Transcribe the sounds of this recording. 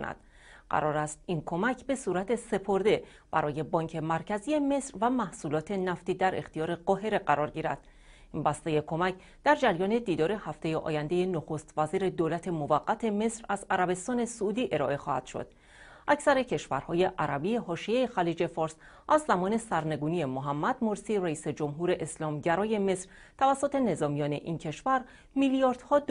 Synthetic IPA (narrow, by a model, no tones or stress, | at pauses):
konæ̰d̪̥ | ɢæ̰ɾɒːɾæst̪inkʰo̞mæcʰbe̞suːɾæt̪ʰe̞se̞pʰoɾd̪e̞ | b̥æ̰ɾɒːje̞bɒːŋcʰe̞mæɾcʰæzije̞me̞sɾvæmæhsuːlɒːt̪ʰe̞næft̪iːd̪æɾe̞xt̪ijɒːɾe̞ɢɒːɦe̞ɾe̞ɢæɾɒːɾɟiːɾæ̰d̪̥ | inbæst̪e̞je̞kʰo̞mæcʰ | d̪̥æɾd͡ʒæɾjɒːne̞d̪iːd̪ɒːɾe̞hæft̪e̞jeʔɒ̰ːjænd̪e̞je̞noxost̪væziːɾe̞d̪oːlæt̪ʰe̞movæɡːæt̪ʰe̞me̞sɾæzæɾæbe̞st̪ɒːne̞souːd̪iːʔe̞ɾɒ̰ːʔe̞xɒːhæ̰d̪̥ʃo̞̰d̪̥ | ʔæcʰsæɾe̞cʰe̞ʃvæ̰ɾhɒːje̞ʔæɾæbieɦɒːʃiejexæliːd͡ʒe̞fɒːɾs | ʔæzːæmɒːne̞sæɾne̞ɡuːnije̞moɦæmːæd̪mo̞ɾsiːræiːse̞d͡ʒo̞mɦuːɾe̞ʔeslɒːmɟæɾɒːje̞me̞sɾ | t̪ʰævæsːot̪e̞ne̞zɒːmijɒːne̞ʔincʰe̞ʃvæɾ | milijɒːɾd̪̥hɒːd̪